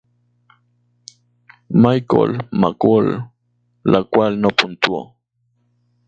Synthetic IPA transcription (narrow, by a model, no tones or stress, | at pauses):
majko̰lma̰kolː | akwalnopʊnt̪uo̰